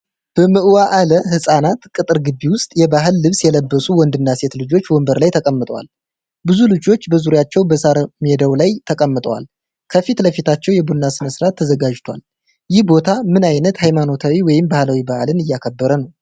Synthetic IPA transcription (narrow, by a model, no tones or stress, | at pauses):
b̥əmɨʔɨwaʔaləhɨsʼanat̪kʼɨt̪ʼɨɾɡɨbːiwʊst̪ʼjɛbaɦɨlːɨβsjɛləbːəsuwɔnd̪ɨnːase̞t̪lɨd͡ʒo̞t͡ʃːwɔmbəɾlajt̪ʰəkʼəmːɨt̪ʼəwa̰l | bɨzulɨd͡ʒo̞t͡ʃːbəzuɾjat͡ʃːɛwbəsaɾmed̪əwlajt̪ʰəkʼəmːɨt̪ʼəwa̰l | kʰəfit̪ləfit̪ʰat͡ʃːɛwjɛbunːasɨnəsɾat̪ʰːəzəɡad͡ʒt̪ʰwa̰l | jɪhbo̞t̪ʰamɨnajnət̪hajmano̞t̪ʰawiwɔjɪmbahlawibahlɨnɨjːakʰəbːəɾənəw